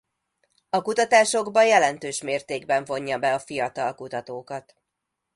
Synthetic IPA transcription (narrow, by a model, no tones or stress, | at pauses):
ɒkut̪ɒt̪aːʃo̞ɡbɒjɛlɛnt̪øːʃmeːrt̪eːɡbɛɱvo̞ɲːɒbɛɒfijɒt̪ɒlkut̪ɒt̪oːkɒt̪